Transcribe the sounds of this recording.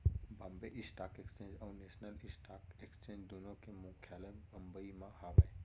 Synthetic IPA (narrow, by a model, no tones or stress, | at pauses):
bɐ̃mbeʔisʈaːkekst͡ʃẽɲd͡ʒaɾnesnəlisʈaːkekst͡ʃẽd͡ʒd̪unõkemũkʰjaləbəmbəimãhaʋaj